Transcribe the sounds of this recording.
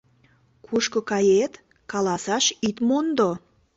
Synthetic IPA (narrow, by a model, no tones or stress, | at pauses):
kʰuʃkŏkɑjet̪ | kɑlˠɑsɑʃit̪mond̪o